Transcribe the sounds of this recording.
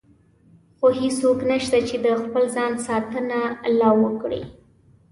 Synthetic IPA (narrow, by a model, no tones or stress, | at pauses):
xohisoknaʃt̪at͡ʃed̪əxpəlzɑnsɑt̪ənalawəkɽḭ